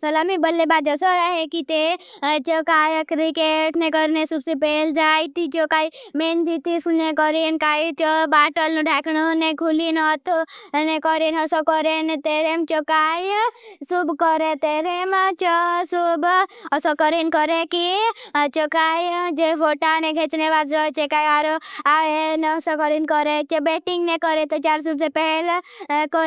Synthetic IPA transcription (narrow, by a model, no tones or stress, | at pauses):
sɐlamibəlebaːd͡ʒəsɔɾaɦekit̪et͡ʃɔkaːjkɾikeʈnẽkɔɾnesubsepeːld͡ʒaːit̪it͡ʃokaimend͡ʒit̪isnekɔɾenkaːit͡ʃɔbaːʈəlnuɖʱɛːknonekulinɔt̪nekɔɾenɔsɔkɔɾenet̪eɾemt͡ʃɔkajsubkɔɾet̪eɾemt͡ʃɔsubɔsɔkɔɾinkɔɾekit͡ʃokaːjd͡ʒepʰoʈaneɡʱet͡ʃnebad͡ʒɾɔt͡ʃekaːiaɾoaensɔkɔɾinkɔɾet͡ʃebeʈiŋɡnekɔɾet̪ɔt͡ʃaːɾs̬ubsepɛɦɛlkɔ